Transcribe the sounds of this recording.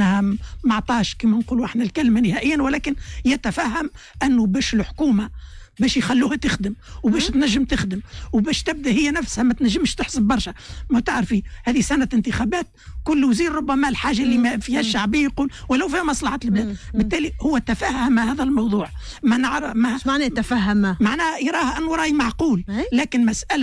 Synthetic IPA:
hæmɑʕt̪ˤɑːʃkiːmænquːluʔɪħnælkælmanɪhæːʔɪjːænwɪlæːkɪnjæt̪æfæːɦːæm | ʔænːubæːʃɪlħkuːmabæːʃjxælːuːhæt̪ɪxd̪əmwbæːʃt̪næʒːəmt̪ɪxd̪əmwbæːʃt̪ɪb̚d̪æʔhɪjːænæfshæmæt̪næʒːɪmʃt̪ɪħsəbːɑɾˤʃæmæt̪ɪʕɾfihæːðisænaɪnt̪ɪxæbæːt̪̚ | kʊlːwziːɾɾˤʊbːæmælħaːʒːalːimfiːhæʃːaʕbiːjquːlwɪlːæwfihæmɑsˤlɑħaːt̪əlblæːd̪bɪt̪ːæːlihʊwːæt̪æfæːhhamahæːðælmɑwðˤuːʕ | manaʕɾmaʕnɛt̪afæɦmmaʕnæːjɾˤɑːhʔænːuɾˤɑːjimɑʕquːlːæːkɪnmæsʔæl

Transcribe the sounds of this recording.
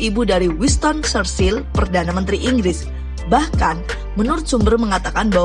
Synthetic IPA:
ibudaɾiwist̪ɔnsərsɪlpərdanamənt̪ɾiʔiŋɡɾɪs | bahkan | mənʊrt̪̚sumbərməŋat̪akanba

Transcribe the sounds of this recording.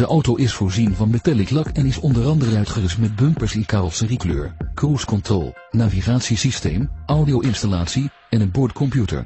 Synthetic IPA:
d̥əʔɔwtowʔɪsfʊːɹzinvɑnmetɛliklɑkɛnɪsɔndəɾɑndərənœɥtχərɪstmɛd̚bɵmpəɹsɪnkaːrɔlˠsəriklø̰ːɹkruskɔntrɔ̰lˠ | naːviχaːtsisistejmawdiowʔɪnstalaːtsi | ɛnənbɔɹtkʰɔmpjutə̰ɹ

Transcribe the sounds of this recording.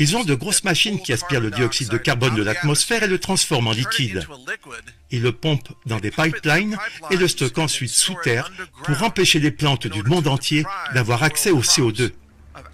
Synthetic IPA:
ilzɔ̃d̪əɡʁosmaʃinkʲiaspiʁləd̪iɔksid̪ːəkaʁbɔnd̪əlat̪mɔsfɛʁelət̪χɑ̃sfɔʁmɑ̃likʲid̪ | ilːəpɔ̃pd̪ɑ̃d̪epajplajneləst̪ɔkɑ̃sɥit̪sut̪ɛʁpuʁɑ̃peʃeleplɑ̃t̪d̪ymɔ̃d̪ɑ̃t̪jed̪avwaʁaksɛoseod̪ø

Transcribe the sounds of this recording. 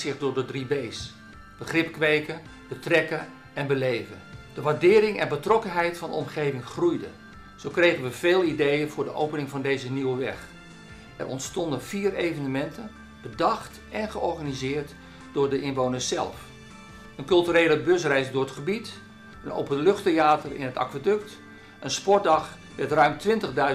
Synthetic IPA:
zɪχdʊːɹdədribejs | b̥əχrɪpkʋeːkən | b̥ətrɛkən | ɛnbəlejvədəʋaɹdɪːɾɪŋɛ̰nbətrɔkənɦɛjtfɑndəɔ̰mχejvɪŋχrujdə̰ | z̥owkrejχənʋəv̥eːlˠidejənvʊːɹdəʔowpənɪŋvɑndejzəniwəʋɛχ | ɛ̰rɔ̰ntstɔndənv̥iːrejvənəmɛntən | b̥ədɑχt | ʔɛnχəɔɹχanizɪːrt | d̥ʊːɹdəʔɪnʋownəssɛ̰lˠf | ənkɵlˠtyreːləbøs̬rɛjsdʊːrətχəbit | əno̰wpənlɵχtejaːtərɪ̰nətɑ̰kʋədøkt | ʔənspɔɹt̚dɑχ | ʋɛtrœɥmtʋɪntəɣdœɥ

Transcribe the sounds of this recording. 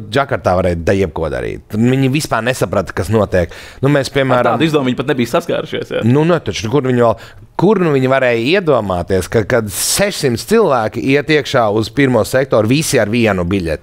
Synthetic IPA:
d͡ʒakaɾt̪aːʋaɾɛjd̪ajiɛp̚kuɔd̪a̰ɾḭːt̪nviɲivispaːɾnesapɾat̪kasnuɔt̪iɛknumeːspiɛmæːɾaaːmizd̪uɔmiɲpat̪nebiːjsaska̰ːɾuʃḭsja̰nunɛt̪at͡ʃukuɾnviɲʋɛlˠ | kuɾnuviɲvaɾɛːjiɛd̪uɔmaːt̪iɛskakad̪sɛʃsimt̪st̪silˠvæːkiʔiɛt̪iɛkʃaːuzpiɾmuɔsɛk̚t̪oːɾvisiaɾviɛnubiʎʲḛt̪

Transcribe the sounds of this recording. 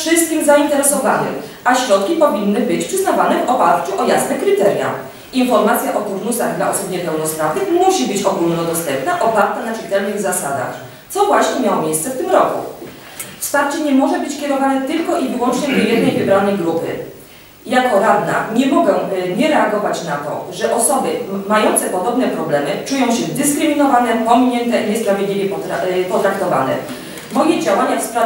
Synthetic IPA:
ʂɘst̪̚kʲixzaint̪ɛɾɛsɔvanɪ̰x | aɕɾɔt̪kʲipɔvʲinːɘbɘt͡ɕpʂɘznavanɛvɔpaɾt͡ɕuʔɔjasnɛkɾɘt̪ɛɾʲja̰ | infɔɾmat̪sʲjaʔɔt̪uɾnusaɣd̪laʔɔsupɲɛpɛwnɔspɾavnɘxmuɕibɘt͡ɕɔɡulnɔd̪ɔst̪ɛmpnaʔɔpaɾt̪anat͡ʂɘt̪ɛlnɘɣzasad̪a̰x | t̪sɔvwaɕɲɛmʲjawɔmʲjejst̪sɛft̪ɘmɾɔkṵ | fst̪aɾt͡ɕɛɲɛmɔʐɛbɘt͡ɕkʲɛɾɔvanɛt̪ɘlkɔʔivɘwɔnt͡ʂɲɛjɛd̪nɛjvɘbɾanɛjɡɾupɘ̰ | jakɔɾad̪na̰ɲɛmɔɡɛɲɛɾɛaɡɔvat͡ɕnat̪ɔ̰ʐɛʔɔsɔbɘmajɔnt̪sɛpɔd̪ɔbn̪ɛpɾɔblɛmɘt͡ʂujɔ̃w̃ɕɛd̪ɘskɾɘmʲinɔvanɛpɔmʲiɲɛnt̪ɛɲɛspɾavʲjed̪lʲivʲjɛpɔpɔt̪ɾakt̪ɔva̰nɛ̰ | mɔjɛd͡ʑawaɲafspɾa

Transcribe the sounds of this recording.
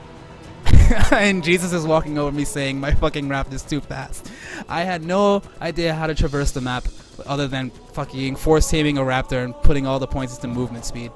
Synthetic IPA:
ɨ̃nd͡ʒizɨsɨzwɔkɪ̃ŋoʊvə˞miseɪɪ̃ŋmaɪfʌkɪ̃ŋɹæp̚tɨz̥tʰʉfæ̰stʔa̰ɪɨdⁿnoʊʔaɪdiɨɦaʊɾɨtʰɹ̥ɨvɜ˞sðɨmæp | ʌðə˞ðɨ̃n | fʌkɪ̃ŋfɔɹstʰẽɪ̃mɪ̃ŋəɹæp̚tə˞ɨ̃npʰʊɾɪ̃ŋɔlˠðəpʰɔ̃ɪ̃ntstɨmuvmɨ̃ntspid̥

